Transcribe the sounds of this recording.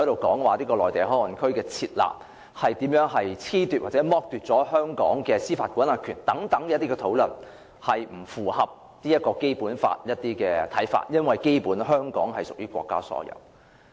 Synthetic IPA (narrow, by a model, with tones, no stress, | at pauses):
ɔ˧˥jɾo˨wkɔː˨˥ŋwaː˨liː˥kɔː˧lɔː˨jt̪e˨˩ɦɔː˥wɐ˨˩nkʰɵ˥ɥkɛː˧t͡sʰiː˧t̚la̰ː˨p̚ | hɐ˨jt̪iː˨˥mjœː˨˥ŋɦɐ˨jt͡sʰiː˥t̪yː˨t̚waː˨˩t͡sɛː˨˥mɔː˧˥k̚t̪yː˨t̚t͡sɔː˨˥hœː˥ŋkɔ̰ː˨˥ŋkɛː˧siː˥faː˧t̚kʷuː˨˥naː˨kʰyː˨˩nt̪ɐ˨˥ŋt̪ɐ˨˥ŋkɛː˧˥t̪iː˥kɛː˧t̪ʰo˨˥wlɵ˨˩n | hɐ˨jm̩˨˩fuː˨˩hɐ˨p̚ | niː˥jɐ˥t̚kɔː˧ke˥jpuː˨˥nfa̰ː˧t̚jɐ˥t̚t̪iː˥kɛː˧t̪ʰɐ˨˥jfa̰ː˧t̚jɐ˥nwɐ˨jke˥jpuː˨˥nɦœː˥ŋkɔ̰ː˨˥ŋhɐ˨jsʊ˨k̚jyː˥kʷɔ̰ː˧kːa̰ː˥sɔ̰ː˨˥jɐ̰˨w